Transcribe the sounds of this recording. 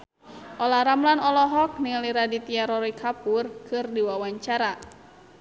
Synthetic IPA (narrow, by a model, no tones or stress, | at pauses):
ʔɔlaɾamlanɔlɔɦɔk̚niŋliɾadit̪iaɾɔɾikʰapurkʰɨrdiwawaɲt͡ʃaɾa